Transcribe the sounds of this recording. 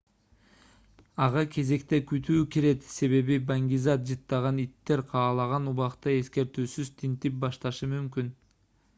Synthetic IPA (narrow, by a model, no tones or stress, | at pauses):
ɑʁɑkʰe̞ze̞kt̪e̞kyt̪ʰyːkeɾe̞t̪se̞βe̞βibaŋɡʲizɑt̪̚d͡ʒɯt̪ːɑʁɑnit̪ːe̞ɾqʰɑːlˠɑʁɑnuβɑqt̪ɑe̞ske̞ɾt̪yːsyzt̪ʰint̪ip̚bɑʃt̪ɑʃɯmymkyn